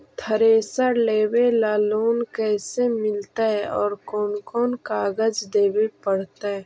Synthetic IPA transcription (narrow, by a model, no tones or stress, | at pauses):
t̪ʰɐɾeːsəɾleːwelaːloːnkɛːsemɪlt̪aɛɔːɾkoːnkoːnkaːɡəd͡ʒd̪eːwepɐɽt̪aɛ